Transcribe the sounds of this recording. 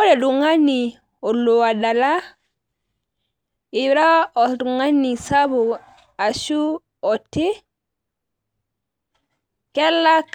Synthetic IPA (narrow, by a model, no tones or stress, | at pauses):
ɔɾɛduŋani | ɔlːɔwadala | iɾaɔduŋanːisabu | aʃu | ɔtːe | kɛlːa